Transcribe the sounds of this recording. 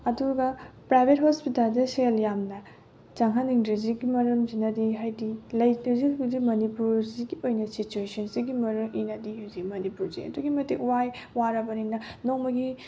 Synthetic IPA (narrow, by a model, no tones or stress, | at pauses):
ɐduɡɐpɾajbʱet̚hospitaldɐseljamnɐ | t͡ʃaŋɦaniŋdɾiziɡimɐɾumzinɐdiɦajdilɐjlɐzikdimɐnipuɾziɡiojnɐsit͡ʃuesɐnsiɡimɐɾumʔinɐdiɦuzimɐnipuɾzḭɐ̰duɡimɐtikwaj | waɾɐbɐniŋnɐnoŋmɐɡi